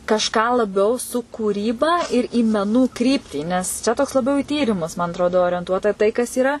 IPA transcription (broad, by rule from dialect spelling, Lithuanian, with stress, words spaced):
kɐʃˈkɑː lˠɐˈbʲɛʊ sʊ kuːˈrʲiːbɐ ɪr iː mʲɛˈnuː ˈkrʲiːpʲtʲiː nʲɛs ˈt͡ʃʲɛ toːks lˠɐˈbʲɛʊ ɪ ˈtʲiːrʲɪmʊs mɐn ɐtˈroːdoː oːrʲiɛnˈtuɔtɐ tɐɪ kɐs iːˈrɐ